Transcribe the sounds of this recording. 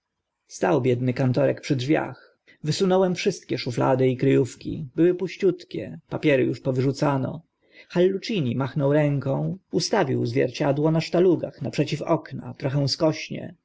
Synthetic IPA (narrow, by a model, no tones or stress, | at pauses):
st̪awbʲjɛd̪nɘkant̪ɔɾɛkpʂɘdʐvʲja̰x | vɘsunɔwɛmfʂɘst̪kʲɛʂufla̰d̪ɘikɾɘjufkʲḭbɘwɘpuɕt͡ɕut̪kʲɛ̰papʲjɛɾɘjuʂpɔvɘʐut̪sanɔ̰ | xalːut͡ʂiɲimaxnɔwɾɛŋkɔ̃w̃ust̪avʲiwzvʲjɛ̰ɾt͡ɕad̪wɔnaʂt̪aluɡaxnapʂɛt͡ɕifɔkna̰t̪ɾɔxɛw̃skɔɕɲɛ̰